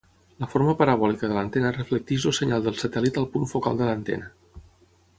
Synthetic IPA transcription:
ləfoɾməpəɾəβ̞ɔlikəðələnt̪enərəflək̚t̪iʒosəɲalˠd̪əlˠsət̪ɛlit̪əlˠpunfoka̰lˠd̪ələnt̪ɛ̰nə

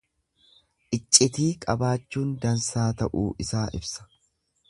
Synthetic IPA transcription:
ʔɪt͡ʃʼːɪt̪iːkʼɐbaːt͡ʃːuːnd̪ɐnsaːt̪ɐʔuːʔɪsaːʔɪ̰bsɐ̥

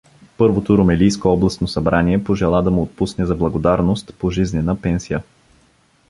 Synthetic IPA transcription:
pɤɾvot̪oɾomɛlijskoɔblˠɐst̪nosɐbɾaniɛpoʒɛlˠad̪ɐmuot̪̚pusnɛzɐblˠɐɡod̪aɾnost̪poʒiznɛnəpɛnsijə

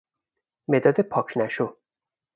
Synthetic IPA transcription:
med̪ɒd̪epʰɒkʰnæʃu

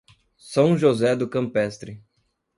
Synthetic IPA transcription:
sɐ̃w̃ʒozɛd̪ʊkɐ̃mpɛst̪ɾɪ

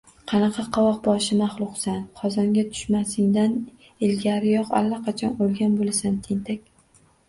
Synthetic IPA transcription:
qʰɑnɑqʰɑqʰɒwɒq̚bɒʃɪmaχlˠʊqsanqʰɒzɒŋɡʲat̪ʰʊ̥ʃmasɪŋd̪an | ɪlɡʲaɾɪjɒqa̰lːaqʰɑt͡ʃʰɒnolˠɡʲanbolasant̪ʰɪnt̪ʰakʲ

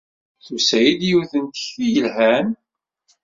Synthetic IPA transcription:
θusæjid̪juθənt̪ə̥çθijəlɦæn

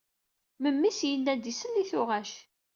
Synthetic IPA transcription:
məmːisjənːænd̪isənːiθʊʁæʃ

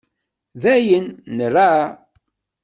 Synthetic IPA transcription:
ðæjənːərːa

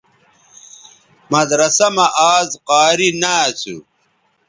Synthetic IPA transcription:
mɐd̪ɾɐsɐmɐʔaːzqaːɾinat͡sʰṵ

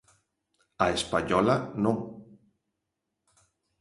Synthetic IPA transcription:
aespaɲɔlanõŋ

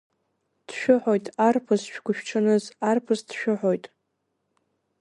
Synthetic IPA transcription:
d̥ʃᶣʊħojtʼarpʰɨzʃᶣɡʷʊʃᶣʈ͡ʂʰɨnɨzarpʰɨzdʃᶣʊħo̞jtʼ

